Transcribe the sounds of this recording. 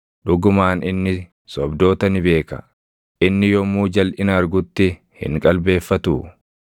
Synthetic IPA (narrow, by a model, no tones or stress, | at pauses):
ᶑʊɡʊmaːnɪnːɪ | sɔbd̪o̞ːt̪ɐnɪbe̞ːkɐ̰ | ʔɪnːɪjɔmːuːd͡ʒɐlʔɪnɐːɾɡʊt̪ːɪ | hɪ̰ŋkʼɐlbe̞ːfːɐt̪uː